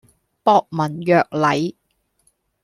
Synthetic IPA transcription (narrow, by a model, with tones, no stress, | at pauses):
pɔː˧k̚mɐ˨˩njœː˨k̚lɐ˨˥j